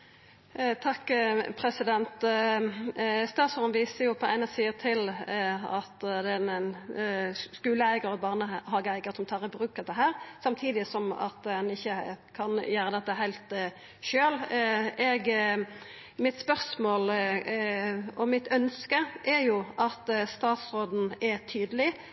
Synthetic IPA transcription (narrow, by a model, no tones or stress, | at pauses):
t̪ʰɑkːpʰɾɛsɪd̪ɛnt̪ | st̪ɑːsɔʁnʋiːsəjʊpʰɔæ̰ɪnɑsiːət̪ʰɪlɑt̪d̪ɛn | skʉːləæɪɡəɾɔbɑːʁnəɦɑːɡəæɪɡəʁt̪sɔmt̪ʰɑːʁəbɾʉːkɑd̪ɛɦæːɾsɑmt̪ʰiːd̪ɪsɔmɑ̰t̪ɛnɪçːəkʰɑnjæːɾəd̪ɛt̪ːəɦæɪlt̪ | ʃøːlɛɡ | mɪt̪spœʁsmoːl | ɔmɪt̪ʰœnskəʔɛɾjʊʔɑt̪st̪ɑːt̪sɾoːd̪n̩ɛt̪ʰyːd̪əlɪ